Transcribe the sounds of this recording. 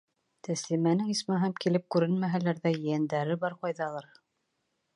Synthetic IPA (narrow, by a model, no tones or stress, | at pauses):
t̪æslimænɘŋismɘɦæmkilɘp̚kʉɾɘnmæɦælæɾðæjɘ̆jænd̪æɾɘbɑɾqɑjðɑlˠɑɾ